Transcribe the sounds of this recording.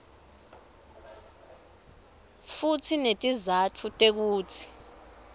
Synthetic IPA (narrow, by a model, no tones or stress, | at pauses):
futʰinetʼizatʰutʼek̬uːtʰi̥